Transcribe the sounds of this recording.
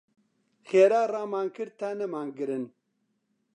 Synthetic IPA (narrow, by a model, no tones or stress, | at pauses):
xeːɾaːraːmaːŋkɨɾt̪ʰaːnɐmaːŋɡɨɾɨn